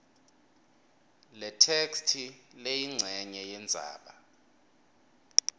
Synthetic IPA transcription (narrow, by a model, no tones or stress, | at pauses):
lɛtʰekstʰilejiŋ͡ǀʱɛɲɛjɛnd͡zʱa̰ːɓa